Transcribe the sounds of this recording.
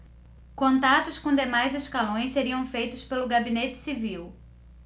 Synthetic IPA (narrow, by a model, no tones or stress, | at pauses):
kõnt̪at̪ʊskõd̪emajzeskalõj̃sseɾiɐ̃w̃fejt̪ʊspelʊɡabinet͡ʃɪ̥siviw